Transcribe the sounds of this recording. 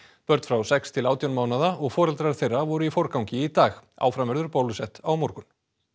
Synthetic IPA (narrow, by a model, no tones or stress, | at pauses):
pœɾt̪fɾawsɛkst̪ʰɪlaːwt̪jawnmaːwnaðaɔɣfɔːɾɛlt̪ɾaɾ̥θejrːavɔɾʏifɔɾkawŋcɪit̪aːɣa̰ːwfɾamvɛɾðʏɾpowlʏsɛht̪awmɔɾkʏn